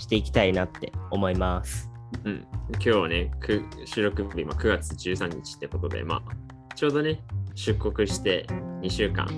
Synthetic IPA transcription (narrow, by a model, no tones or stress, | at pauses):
ɕi̥t̪e̞ikʲi̥t̪ainat̪ːe̞̰o̞mo̞imasɨ̥ɯ̟̃ɴkʲo̞ːβane̞kʰɯɕɨːɾo̞kɯ̟bʲima̰kɯ̟ɡat͡sɨʑɨːsãɲ̟ːit͡ɕi̥t̪ːe̞ko̞t̪o̞d̪ḛma̰ː | t͡ɕo̞ːd̪o̞ne̞ɕɨkːo̞kɯ̟ɕi̥t̪e̞ɲ̟iɕɨːkã̰ŋ